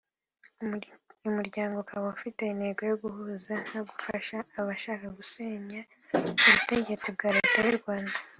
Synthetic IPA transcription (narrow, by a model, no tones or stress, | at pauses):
umuɾɟaːŋɡo̞kawfite̞ine̞ɡo̞jo̞ɡuɦuːzan̥aɡufaʃaːβaʃaːkaɡuse̞ːɲa | uβute̞ɟe̞t͡sibɡaːɾeːtajuɾɡwaːndḁ